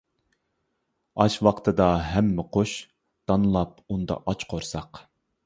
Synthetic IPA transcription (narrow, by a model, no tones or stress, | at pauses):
ɑʃwɑqt̪ʰɨd̪ɑɦɛmːɪqʰoʃ | d̪̥ɑnɨlˠɑp̚ | und̪ɑ̰ʔɑt͡ʃqʰoɾsɑq